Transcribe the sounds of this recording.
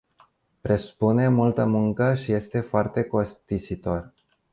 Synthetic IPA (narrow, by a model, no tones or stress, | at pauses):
pɾesu̥pune̞mult̪əmuŋkəʃije̞st̪e̞foart̪e̞ko̞st̪isit̪o̞r